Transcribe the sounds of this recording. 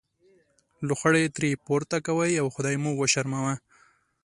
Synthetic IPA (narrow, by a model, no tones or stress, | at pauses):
lʊxaɽet̪ɾepoɾt̪akawajawxʊd̪ɑjmuɡwaʃaɾmawa